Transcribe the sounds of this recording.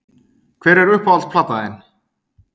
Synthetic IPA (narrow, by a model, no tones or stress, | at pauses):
kʰv̥ɛːɾɛɾʏhpalspʰlat̪aɪn